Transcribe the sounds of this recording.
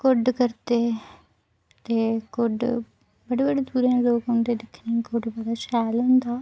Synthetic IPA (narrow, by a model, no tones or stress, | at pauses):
kʊɖkəɾt̪eː | t̪eːkʊɖ | bəɽeːbəɖeːd̪uːɾãːloːkɦʊ̃nd̪eːd̪ɪkʰːnikʊɖbəd̪aːʃɛːlɦʊ̃nd̪aː